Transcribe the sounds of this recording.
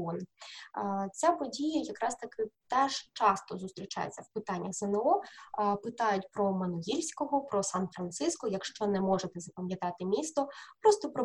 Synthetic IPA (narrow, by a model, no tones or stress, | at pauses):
ɔn | t͡sʲapɔdʲijɐjɐkɾɑst̪ɐkɪt̪ɛʒt͡ʃɑst̪ɔzʊst̪ɾʲit͡ʃa̰jḛt͡sʲːɐwpɪt̪ɑnʲːɐɣzenɛɔpɪt̪ɑjʊtʲpɾɔmɐnɔɦilʲsʲkɔɦɔpɾɔsɑnfɾɐnt̪sɪskɔjɐkʃt͡ʃɔnɛmɔʐet̪ɛzɐpɐmjɐt̪ɑt̪ɪmʲist̪ɔpɾɔst̪ɔpɾɔ